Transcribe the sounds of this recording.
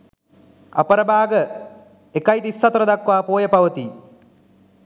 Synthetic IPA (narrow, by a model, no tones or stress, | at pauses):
a̰pəɾəbaːɡə | ekɐjt̪isːɐt̪ɐɾɐd̪akʋaːpoːjəpaʋət̪i